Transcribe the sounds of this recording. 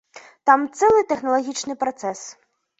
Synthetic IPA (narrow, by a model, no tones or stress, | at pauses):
t̪amt̪sɛlˠɨt̪ɛxnɐlˠɐɣʲit͡ʃnɨpɾɔt̪sɛs